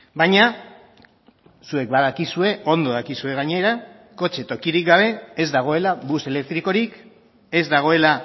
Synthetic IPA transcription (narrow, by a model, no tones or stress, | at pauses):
baɲa | sue̞k̚baðakisue̞o̞nd̪o̞ðakisue̞ɣ̞aɲe̞ɾa | ko̞t͡ʃe̞t̪o̞kiɾik̚ɡaβe̞ːzd̪aɣ̞o̞e̞laβuse̞le̞k̚t̪ɾiko̞ɾik | e̞zd̪aɣ̞o̞e̞la